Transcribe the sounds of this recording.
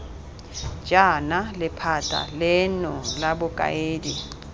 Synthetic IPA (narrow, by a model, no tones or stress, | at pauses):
d͡ʒanalɪpʰatʼa̰lɪnɔlabʊkʼa̰eːdi